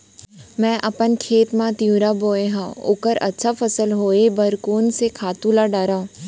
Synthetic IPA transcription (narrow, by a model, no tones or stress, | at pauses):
mɛ̃ːʔɐpənkʰeːt̪mãt̪jũɾaboːeɦãːo̰ːkəɾɐ̰tːʃʰafɐsəlɦoːebɐɾkuːnsekʰaːt̪ũlaɖaːɾaːũ